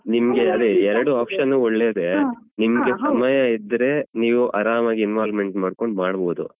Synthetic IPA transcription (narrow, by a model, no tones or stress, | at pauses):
nimɐɡe̞ɐd̪eɛɾɐɽuaːpʂɐnːuːɔɭːeːd̪e̞nimɐɡe̞sɐmɐjɐid̪ɾe̞niːʋuʔɐɾaːmaːɡiinʋaːlme̞ɳʈmaːɽko̞ɳɖmaːɽboːd̪ṵ